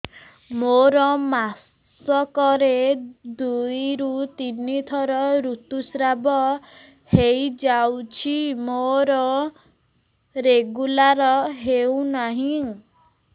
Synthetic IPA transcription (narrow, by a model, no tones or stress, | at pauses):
moɾɔmas | ɔkɔɾed̪ujɾut̪init̪ʰɔɾɔɾut̪usɾabɔ | hejd͡ʒawt͡ʃʰimoɾɔ | ɾeɡulaɾɔɦeunaɦĩ